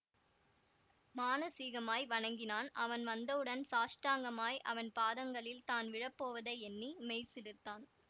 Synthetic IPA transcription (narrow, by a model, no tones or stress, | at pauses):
maːnɐsiːɣɐmaːjʋɐɳɐŋɡɪnaːnʔɐʋɐnʋɐnd̪ɐʋɯɽɐnsaːʂʈaːŋɡɐmaːjʔɐ̰ʋɐnpaːðɐŋɡɐɭɪlt̪aːnʋɪɻɐpːoːʋɐðɐɪɛnːimɛɪsɪlɯt̪ːaːn